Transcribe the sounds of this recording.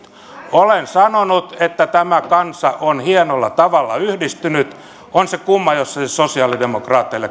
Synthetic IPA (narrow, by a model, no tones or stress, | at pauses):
olensɑnonut̪et̪ːæt̪æmækɑnsɑʔonhienolːɑt̪ɑʋɑlːɑyhdist̪ynyt̪ | onsekumːɑjosːɑsosiɑlidemokrɑːt̪ːiilːe